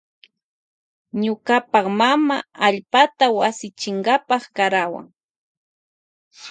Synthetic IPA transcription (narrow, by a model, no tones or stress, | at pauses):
ɲʊkapɑχmamaaʎpat̪awasɪt͡ʃɪŋɡapɑχkaɾawa̰ŋ